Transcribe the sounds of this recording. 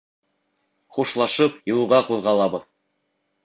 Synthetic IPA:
χuʃlˠɑʃɤpjɤ̆w̪ˠuʁɑquðʁɑlˠɑβɤð

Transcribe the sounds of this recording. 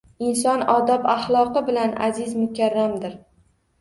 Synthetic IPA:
ɪns̬ɒnɒd̪ɒpaχlˠɒqɨbɪlana̰zɪzmʊkʲʰaɾːamd̪ɪɾ

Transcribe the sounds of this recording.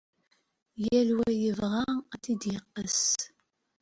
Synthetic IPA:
jælwæjəvʁɑæθid̪jəqːəs

